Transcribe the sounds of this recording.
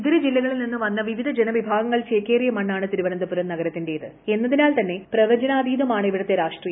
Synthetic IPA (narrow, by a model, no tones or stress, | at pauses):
uðɐɾed͡ʑilːɐɣɐɭilninːɨʋɐnːɐʋiʋid̪ʱɐd͡ʑenɐʋibʱaːɡɐŋːɐɭɕeːkːeːrijɐmɐɳːaːɳɨt̪iɾuʋɐnɐnd̪ɐpːuɾɐmnɐɣɐɾɐt̪ːindejiðɨ | e̞nːɐðinaːlt̪ɐnːe̞prɐʋɐd͡ʑɐnaːd̪iːd̪ʱɐmaːɳɨiʋiɽɐt̪ːeɾaːʂʈrijɐ